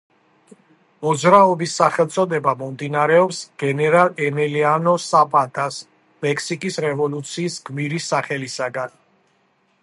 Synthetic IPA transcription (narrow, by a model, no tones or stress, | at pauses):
mɔd̪zɾaɔbisːaχɛlt̪sʼɔd̪ɛbamɔmd̪inaɾɛɔpsɡ̥ɛnɛɾalɛnɛlianɔsapʼat̪ʰas | mɛkʰsikʼisɾɛvɔlut̪sʰiːsɡmiɾisːaχɛlisaɡan